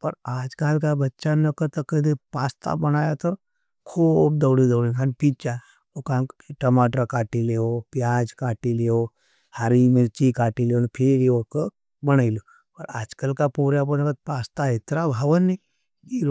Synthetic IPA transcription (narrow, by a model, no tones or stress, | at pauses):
pəɾad͡ʒkalkabətːʃanəkət̪əkəd̪ipast̪ʰa̰bəñajat̪əɾ | kʰuːb̚d̪əwɽid̪əwɽikʰanpit͡ʃa | okaiʈəmaʈakaːʈileopjad͡ʒkaːʈileo | haɾimeɾt͡ʃikaːʈileonpʰeɾiʋokə | bəñajlo | pəɾa̰ːd͡ʒkalkapoɾjap̬oɾakət̪̚past̪aɦet̪ɾabʱaʋənːi | diɾ